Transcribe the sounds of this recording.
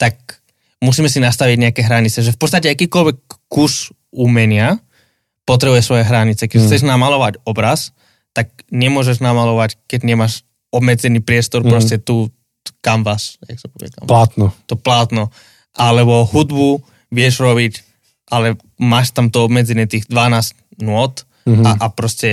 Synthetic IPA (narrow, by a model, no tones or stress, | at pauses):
t̪ak̚ | musiːmɛsinast̪aʋiɟɲɛakɛɦɾaɲit͡sɛʒɛfpɔtt͡sst̪acɛakiːkɔlʋɛkːus | uːmɛɲɪa | pɔt̪ɾɛbujɛsʋɔjɛɦɾaɲit͡sɛkɛxt͡sɛʒnamalɔʋacɔbɾas | t̪ak̚ɲɛmʊɔʒɛʒnamalɔʋackɛɟɲɛmaʃ | ɔbmɛd͡zɛniːpɾɪɛst̪ɔɾpɾɔscɛt̪u | kamʋasja̰ksɔpɔʋɛ̰d̪a̰at̪nɔt̪ɔplat̪nɔ | ʔalɛbɔɦud̪bu | ʋɪɛʒɾɔβic | ʔalɛ | maːʃt̪amt̪ɔɔbmɛd͡zɛnɪɛt̪iːɣd̪ʋanaːzt | nʊɔt̪ | aʔapɾɔscɛ